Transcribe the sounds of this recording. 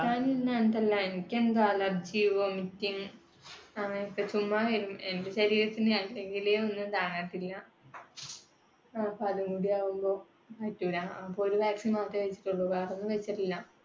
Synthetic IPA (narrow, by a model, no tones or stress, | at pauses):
naːninːent̪ɐlːaenikʲːend̪aːlɐbd͡ʑiːʋoːmitːiŋ | ɐŋːɐneipːɐt͡ɕumːaʋɐɾumendeɕɐɾiːɾɐt̪ːinɨalːeŋɡileonːɨt̪aːɳaːʈːilːɐ | ɐpːoɐðɨmuːɽijaːʋumbo̞ː | kaːtːuʋɾaɐpːoːɾuʋaːksimaːt̪ːɐʋet͡ɕːi̥ʈːuɭːɐʋaːronːɨʋet͡ɕːɐʈːilːɐ